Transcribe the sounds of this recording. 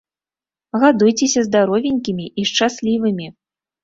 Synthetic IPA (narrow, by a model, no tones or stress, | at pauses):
ɣad̪ujt͡sʲesʲɐzd̪aɾɔvʲenʲkʲimʲiʔiʂt͡ʂasʲlʲivɨmʲi